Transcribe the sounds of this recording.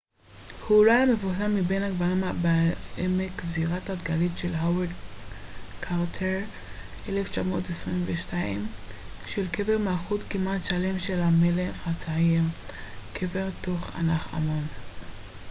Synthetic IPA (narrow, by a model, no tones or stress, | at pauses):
hulajamevus̬amːibe̞naɡbaʁimabaemekziʁatatɡalitʃelɦawed̪ | kʰaʁtʰeʁ | ʔeleft͡ʃamo̞̰tesʁimveʃtaim | ʃelke̞veʁmalχutkimatʃale̞mʃelame̞leχat͡saiʁkʰeve̞ʁto̞χa̰naχa̰mon